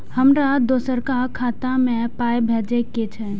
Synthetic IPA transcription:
həmɾad̪oːsəɾkakʰaːt̪ãmẽpaːjbʱeːd͡ʒeket͡ʃʰɛ

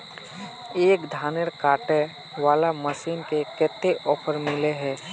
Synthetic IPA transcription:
eːkd̪ʱaːneɽkaːʈe | ʋaːlaməsiːnkekɛːt̪eʔɔːpʰəɾmɪleɦɛː

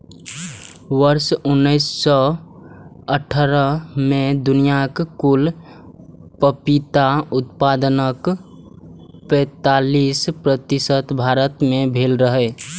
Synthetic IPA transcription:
ʋəɾsʊnːəɪsːɔ | əʈʰəɾəmed̪ʊnijakkul | pəpit̪aʊt̪pad̪ənək | pɛ̃ːt̪aliːspɾət̪ɪsət̪bʱaːɾət̪mẽbʱeːlɾəɦə

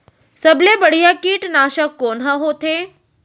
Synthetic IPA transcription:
səblebəɽ̤ijakiːʈnaːʃəkːoːnɦəɦoːt̪ʰe

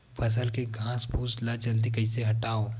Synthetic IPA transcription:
pʰɐs̬əlkeɡʱãːsbʱuːslad͡ʒɐld̪ikɐɪseɦɐʈaːo

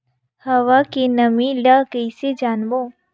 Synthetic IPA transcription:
hɐʋakinɐmĩlakeɪsed͡ʒaːnbo

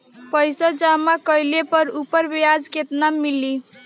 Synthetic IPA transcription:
pəjsad͡ʒamakəjlepəɾupəɾbjad͡ʒket̪namili

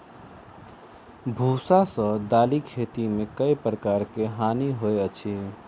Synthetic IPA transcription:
bʱusasə̃d̪aːlikʰet̪imekəipɾəkaɾkeɦaniɦoeət͡ʃʰi

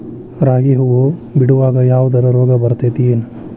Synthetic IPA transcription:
ɾaːɡiɦuʋobiɽuʋaːɡɐjaːʋud̪ɐɾɐɾoːɡɐbɐɾt̪et̪ijeːnu

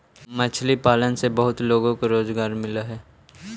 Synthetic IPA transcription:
mɐt͡ʃʰlipaːlənsebɐɦʊt̪loːɡõkoɾoːzɡaːɾmɪlaɦɛː

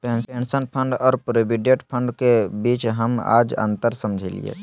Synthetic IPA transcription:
pẽnsensənpʰəɳɖɔːɾpɾebiɖeʈpʰə̃ɳɖkebiːt͡ʃɦəma̰ːd͡ʒə̰̃nt̪əɾsəmd͡ʒʱilḭḛ

